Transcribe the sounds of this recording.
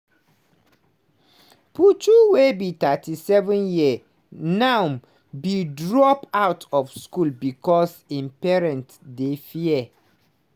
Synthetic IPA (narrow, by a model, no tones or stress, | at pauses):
putuwebitatʰisɛvɛ̃njiɛ | nãm | bidɹɔpawtʰɔfskulbikɔsĩnpɛɹɛ̃nt | defiɛ